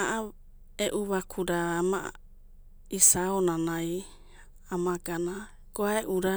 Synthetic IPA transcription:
aʔa | eʔuβakʰuɾaːma | isaonanaj | amaɡana | ɡ̥oaeʔuɾa

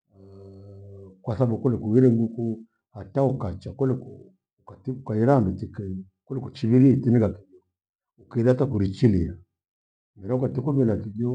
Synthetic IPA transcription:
kwasabukɔlɛkuwiɾɛŋɡuku | hataukat͡ʃakɔlɛkɔ | ukatiukaiɾambitikɛ | kɔlɛkut͡ʃiβiɾiitinikakidɔ | ukidatakuɾit͡ʃilia | mɛɾakatikumɛlakid͡ʒɔ

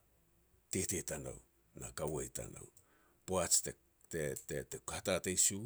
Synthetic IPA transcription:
tetetana̰w | nakawajta̰na̰w | poat͡ʃte | tetetekahtatejsu

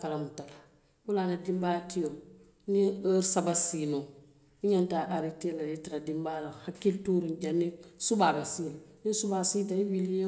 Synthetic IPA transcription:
kalamutaka | ulanadimbatijo | niɾsabasino | iɲantaʔaɾitilajitiɾadimbalahakːiltuɾind͡ʒanisubabasinnisubasitaiwilijo

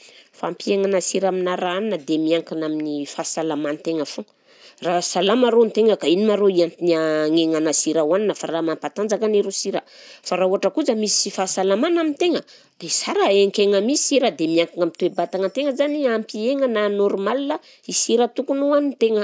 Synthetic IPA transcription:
fampieŋanasiɾaminaɾaaninəd̪emiaŋkanaminifasalamanit̪eŋəfo | rasalamaɾonit̪eŋəkainimaɾoiant̪inaŋeŋanasiɾawaninəfaramampat̪and͡zakaneɾosiɾəfaɾauɦaʈ͡ʂəkud͡zəmisi̥ifasalamanamint̪eŋə | d̪̥esaɾaeŋkʲeŋəmisiɾad̪emiaŋkaŋamit̪uwebat̪aŋət̪eŋəzaniampieŋənanoɾmalia | isiɾət̪ukunuanint̪eŋə

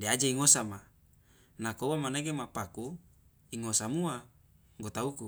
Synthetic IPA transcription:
dead͡ʒaiŋosama | nakouwamaneɡemapaku | iŋosamua | ŋɡot̪auku

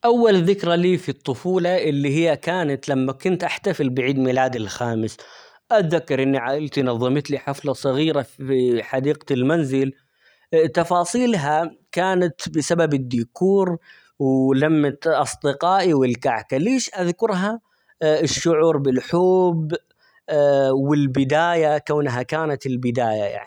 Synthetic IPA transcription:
ʔawːalðɪkɾaliːfit̪ˤːʊfuːlɑʔɪlːiɦɪjːakaːnat̪lamːakʊnt̪ʔaħt̪afɪlbɪʕiːd̪miːlaːd̪ɪlxaːmɪs | ʔat̪ðakːɑɾˤʔɪnːiʕaʔɪlt̪inɑðˤːɨmɪt̪liħaflɑsˤɨɣiːɾaiħad̪iːqlmanzɪl | t̪ɑfɑːsˤiːlɦakaːnat̪bɪsababɪd̪ːikʰuːɾ | wlamːat̪ʔɑsˤd̪ɪqɑːʔiwɪlkaʕkaleːʃʔaðkʊɾˤɦa | ɪʃːʊʕuːɾbɪlħoːb | wɪlbɪd̪aːjakawnɦakaːnat̪ɪlbɪd̪aːja̰ja̰ʕni

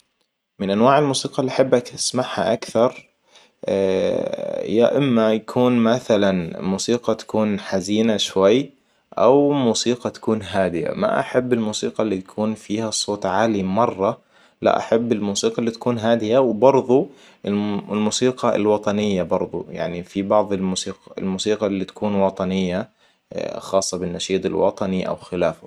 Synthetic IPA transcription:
mɪnʔanwaːʕɪlmuːsiːqɑlːiʔaħɪbːakʔasmaʕha̰ʔakθɑɾˤ | ja̰ʔɪmːajakʰuːnmaθalanmuːsiːqɑt̪ḁkuːnħaziːnaʃwajː | ʔa̰wmuːsiːqɑt̪ḁkuːnɦaːd̪ɪja̰ma̰ʔa̰ħabːɪlmuːsiːqɑlːit̪akʰuːnfiːhasˤoːt̪ˤʕaːlimɑrˤːɑ | la̰ʔa̰ħabːɪlmuːsiːqɑlːit̪ḁkuːnɦaːd̪ɪjawbɑɾˤðˤu | ɪllmuːsiːqɑ̰lwɑt̪ˤɑnɪjːabɑɾˤðˤṵja̰ʕnifibɑʕðˤɪlmuːsiːqɑɪ̰lmuːsiːqɑlːit̪ḁkuːnwɑt̪ˤɑnɪjːa | xɑːsˤːɑbɪnːaʃiːt̪ˤɪ̰lwɑ̰t̪ˤɑniʔa̰wxɪlaːfʊ

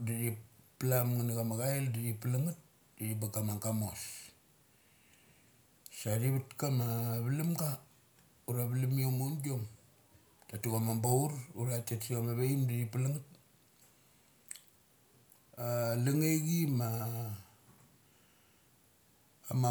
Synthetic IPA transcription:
daɾiplamŋanaɡamaɡaeldaɾipalaŋat̚ | daɾibakamaŋɡamos | sadiβatkamaβilimɡa | uɾaβlimiomondiom | tatuɡamambouɾuɾatetsiɡamaβeimdaɾipalaŋat̚ | laŋeɡima | ama

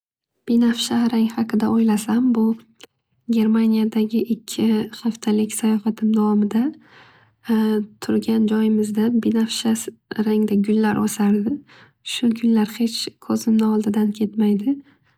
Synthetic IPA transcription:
b̥inafʃahɾaŋhɑqʰɨd̪aʔojlasambʊ | ɡʲe̞ɾmanijad̪aɡʲɪʔɪkʲʰːɪχaft̪ʰalɪkʲsajɒfat̪ʰɪmd̪avɒmɪd̪a | t̪ʰʊɾɡʲand͡ʒɒjɪmɪzd̪abinafʃaɾaŋd̪aɡʲʊlːaɾʔosaɾd̪ɪ | ʃʊɡʲʊnlaɾhe̞t͡ʃʰkʰɒzɪmnɪɒlˠd̪ɪd̪ankʲʰe̞t̪majd̪ɪ

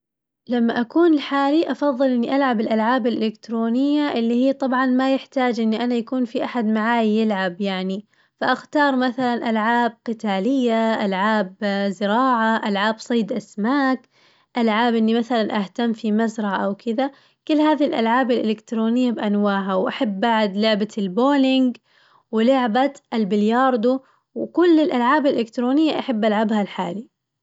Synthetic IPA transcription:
lamːaʔakuːnɪlħaːliʔɑfɑðˤːɨlʔɪnːiʔalʕabɪlʔalʕaːbalʔɪlɪkt̪ɾoːnɪjːaʔɪlːihijːt̪ˤɑbʕɑnmajɪħt̪aːd͡ʒʔɪnːiʔanajakuːnfiʔaħad̪maʕaːjjɪlʕabjaʕni | faʔaxt̪ɑːɾˤmaθalanʔalʕaːb̚qɪt̪aːlɪjːaʔalʕaːbzɪɾɑːʕaʔalʕaːbsˤɑːd̪ʔasmaːk | ʔalʕaːbʔɪnːimaθalanʔaht̪amːfimazɾˤɑʕaʔawkʰɪða | kɪlːhaːðilʔa̰lʕaːbalʔɪlɪkt̪ɾoːnɪjːabʔanwaːʕħawʔaħabːaʕd̪lʊʕbalboːlɪŋɡ | wɪlʊʕbaʔalbɪljɑːɾˤd̪u | wkʊlːɪlʔalʕaːbalʔɪlɪkt̪ɾoːnɪjːaʔaħabːʔalʕabhalħaːli

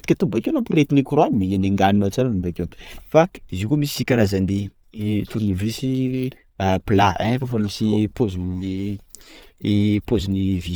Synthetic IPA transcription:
d̪i̥kʲat̪umbakenopilet̪inikuɾoanimieneŋɡaninat͡ʃanumbakʲefaizikomisisikʲaɾazand̪e | t̪uɾnivisi | apilaɛ̃fafamisipozuni | pozunivi

